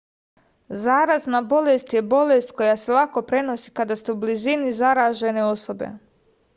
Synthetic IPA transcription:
zaːɾaznabo̞le̞st̪jebo̞le̞st̪ko̞jase̞lˠako̞pɾe̞no̞sikad̪ast̪eublizinizaɾaːʒe̞ne̞o̞so̞be̞̰

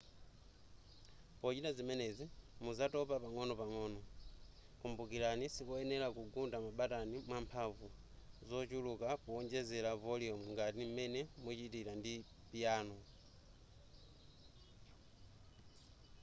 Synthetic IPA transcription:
pɔt͡ʃitazimɛnɛzimuzatɔpapaŋɔnɔpaŋɔːnɔ | kumbukilanisikɔɛnɛlakuɡundamaɓatanimwampʰavu | zɔt͡ʃulukakuɔɲd͡ʒɛzɛlavɔliɔmuŋɡatim̩mɛnɛmut͡ʃitiɾandi | pijaːnɔ

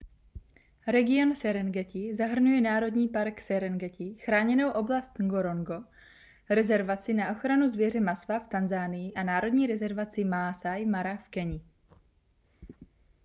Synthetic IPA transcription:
ɾɛɡɪo̞nsɛɾɛnɡɛcɪzaɦr̩nujɛnaːɾo̞dɲiːpaɾksɛɾɛnɡɛcɪxɾaːɲɛno̞wʔo̞blast̪ŋɡoɾo̞ŋɡo̞ | ɾɛzɛɾvat͡sɪnaʔo̞xɾanuzvjɛr̝ɛmasvaft̪anzaːnɪjɪʔanaːɾo̞dɲiːɾɛzɛɾvat͡sɪmasajmaɾafkɛɲɪ

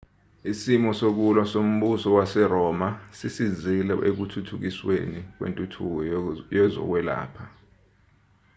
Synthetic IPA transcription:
isimɔsok̬ulwasom̩ɓusɔwasɛrɔːmasisizilɛ̰ʔek̬utʰutʰuk̬iswḛnik̬wḛntʼutʰuk̬ɔjɛzɔ̰k̬wɛla̰ːpʰa

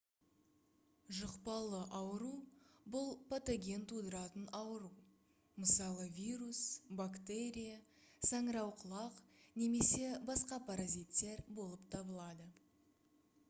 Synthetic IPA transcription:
ʒəqpɑlˠəʔɑwəɾubʊlˠpʰat̪oɡʲe̞nt̪ʰud̪əɾɑt̪ənɑwəɾu | məsɑlˠəvʲiɾusbakt̪e̞ɾʲija | sɑɴɾɑwqʰəlˠɑqne̞me̞se̞bɑsqɑpʰɑɾazit̪ːe̞ɾbo̞lˠəpt̪ʰɑbəlˠɑd̪ə

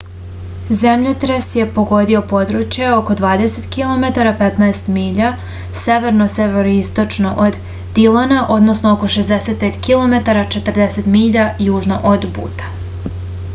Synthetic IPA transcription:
zemʎot̪ɾesje̞poɡo̞d̪io̞po̞d̪ɾut͡ʃjeo̞ko̞d̪ʋaːd̪e̞set̪kilˠo̞met̪aɾapet̪naest̪miːʎa | se̞ʋeɾnoseʋeɾoist̪o̞t͡ʃno̞ʔod̪ː | ilanaʔo̞d̪nosnooko̞ʃezd̪eset̪̚peːt̪kilˠo̞me̞t̪aɾat͡ʃe̞t̪r̩d̪eset̪miːʎajuːʒnoʔod̪bṵːt̪ḁ

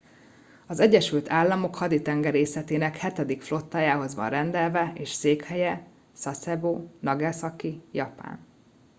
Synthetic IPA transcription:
ɒzɛɟːɛʃylt̪ʰaːlːɒmo̞khɒd̪it̪ɛŋɡɛɾeːsɛt̪eːnɛkhɛt̪ɛd̪ikflo̞t̪ːaːjaːɦo̞zʋɒ̰nrɛnd̪ɛlvɛeːʃseːkhɛjɛ | sɒsɛboːnɒɡɛsɒkijɒpa̰ːn

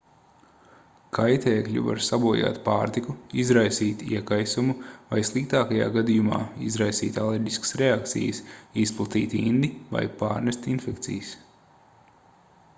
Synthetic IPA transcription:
kʰajt̪eːkʎʲṵva̰ɾsabuɔja̰ːt̪paːɾt̪ikuizɾajsiːt̪iɛkajsumuvajslˠik̚t̪aːkaja̰ːɡad̪ijuma̰ːizɾajsiːt̪alˠeɾɟiskə̥sɾeak̚t̪sḭjəsisplˠat̪iːt̪ind̪iva̰jpaːɾnɛst̪infɛkt̪sḭjs

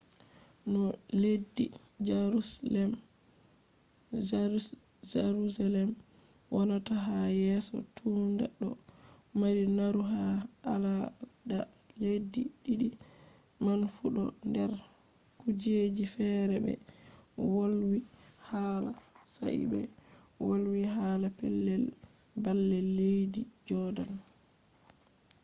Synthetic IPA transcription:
nɔledːḭd͡ʒaɾlɛm | d͡ʒaɾusalɛm | wʔɔnataɦajɛsɔ̰tʰundɛ̰ɗːɔ̰ | maɾinaɾuɦaː | lada | ledːiɗiɗi | manfuɗɔ̰ndɛɾkud͡ʒed͡ʒifɛɾɛbɛ̰ | wolwihala | sa̰ḭbɛ̰wolwiɦalapɛ̰lːɛl | balːɛlːejdid͡ʒɔdan

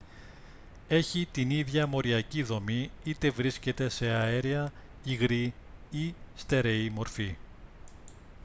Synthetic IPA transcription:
e̞çit̪iniðʝɐmo̞ɾiɐciðo̞miit̪e̞vɾisce̞t̪e̞se̞ɐeɾiɐ | iɣɾiist̪e̞ɾe̞imo̞ɾfi

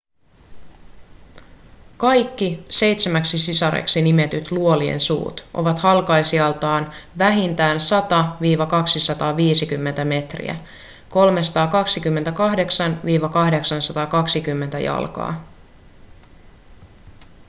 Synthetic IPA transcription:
kɑjkːise̞jt̪semæksisisɑɾḛksinime̞t̪yt̪luo̞liḛnsṵːt̪ʔo̰ʋɑt̪hɑlkɑjsiɑlt̪ɑːnʋæɦint̪æːnsɑt̪ɑʋiːʋɑkɑksisɑt̪ɑːʋiːsikymːe̞nt̪æme̞t̪rḭæ̰ | ko̞lmesɑ̥t̪ɑːkɑksikymːe̞nt̪ækɑɦde̞ksɑnʋiːʋɑkɑhde̞ksɑnsɑt̪ɑːkɑksikymːe̞nt̪æjɑ̰lkɑ̰ː

